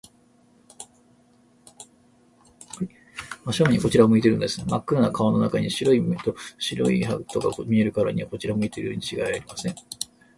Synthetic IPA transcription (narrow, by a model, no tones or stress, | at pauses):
hai | maɕoɯ̟ɲiko̞t͡ɕiɾaomɯ̟it̪e̞ɾɯ̟nod̪e̞sɨnemakːɯɾanakaono̞nakaɲ̟iɕiɾo̞it̪oɕiɾo̞̰ihat̪o̞kakomʲie̞ɾɯ̟kaɾaɲ̟iβako̞t͡ɕiɾamɯ̟it̪eɾɯjoːɲ̟ʲit͡ɕiɡaaɾʲimasẽ̞ŋ